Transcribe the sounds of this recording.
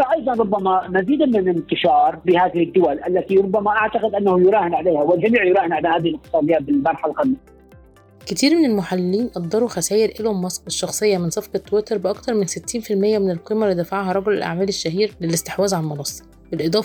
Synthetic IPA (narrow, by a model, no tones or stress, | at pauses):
æʔɑjd̪ˤɑnɾˤobːæmæmæziːd̪mɪnɪnt̪ɪʃɑːɾˤbɪhaːðɪhɪdd̪ːʊwælʔalːæt̪iɾobːæmæʔaʕt̪aqɪd̪ʔanːæhʊjʊɾˤæːhɪnʕaleːhæwɪld͡ʒæmiːʕjʊɾˤɑːhɪnʕaleːhaːðɪhɪlʔɪkt̪ɨ̥sˤɑːd̪ejːabɪlmɑɾˤħalɣænːij | ket̪iːɾmɪnelmʊħalːiːnʔɑd̪ˤːɑɾˤuxæsæːjɪɾʔelomːɑsˤqeʃːɑxsˤejːɑmɪnsˤɑfqɑt̪ːowet̪ɑɾˤbɪʔɑkt̪ɑɾˤmɪnsɪt̪ːiːnfilmɪjːæmɪnelqiːmælːid̪æfaʕhɑɾˤɑɡolḛlʔa̰ʕmæːleʃːæɦiːɾlelɪst̪eħwæːzʕalmɑlɑsˤː | bɪlʔeɨd̪ˤɑːf